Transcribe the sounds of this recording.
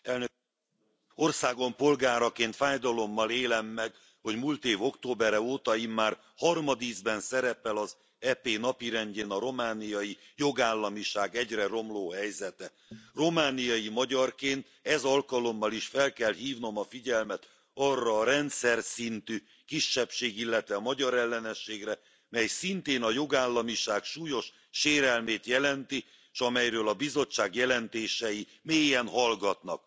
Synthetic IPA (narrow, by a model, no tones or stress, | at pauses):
ɛln | o̞rsaːɡo̞mpo̞lɡaːɾɒkeːnt̪faːjd̪ɒlo̞mːɒleːlɛmːɛɡ | ho̞ɟmuːlt̪eːvo̞kt̪oːbɛɾɛoːt̪ɒjimːaːr | hɒrmɒd̪izbɛnsɛɾɛpɛlɒz | ɛpeːnɒpiɾɛnɟeːnɒɾo̞maːnijɒjijo̞ɡaːlːɒmiʃaːɡɛɟrɛɾo̞mloːhɛjzɛt̪ɛ | ro̞maːnijɒjimɒɟɒrkeːnt̪ɛzɒlkɒlo̞mːɒliʃfɛlkɛlɦiːvno̞mɒfiɟɛlmɛt̪ | ɒrːɒːɾɛnt̪sɛrsint̪yː | kiʃːɛpʃeːɡilːɛt̪ʋɛmɒɟɒɾɛlːɛnɛʃːeːɡrɛ | mɛjsint̪eːnɒjo̞ɡaːlːɒmiʃaːkʃuːjo̞ʃ | ʃeːɾɛlmeːt̪jɛlɛnt̪i | ʃɒmɛjrøːlɒbizo̞t͡ʃːaːɡjɛlɛnt̪eːʃɛji | meːjɛnɦɒlɡɒt̪nɒ̰k̚